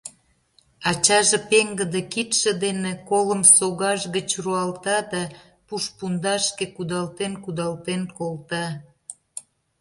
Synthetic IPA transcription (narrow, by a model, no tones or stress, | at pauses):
ɑt͡ɕɑʒepeŋɡəd̪ekit̪ʃĕd̪enekoləmsoɣɑʒɣət͡ɕruɑlt̪ɑd̪ɑ | puʃpund̪ɑʃkekud̪ɑlt̪enkud̪ɑlt̪enkolt̪ɑ